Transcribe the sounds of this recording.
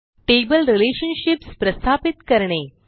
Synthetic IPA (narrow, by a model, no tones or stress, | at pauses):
ʈebəlɾileɕənɕipspɾəst̪ʰapit̪kəɾɳe